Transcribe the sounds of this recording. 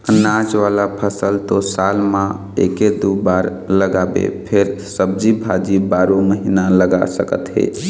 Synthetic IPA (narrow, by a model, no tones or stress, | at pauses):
nad͡ʒʋalapʰəsəlt̪osalmã | eked̪ubaɾ | ləɡabḛpʰeɾsəbd͡ʒibʱad͡ʒibaɾoməɦinaləɡa̰səkə̰t̪ɦḛ